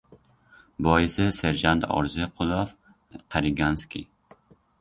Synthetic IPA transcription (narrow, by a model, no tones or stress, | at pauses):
bɒːiseseɾd͡ʒand̪ɒ̰ɾzeqʰulɔf | qʰaɾiɡanskʲḭ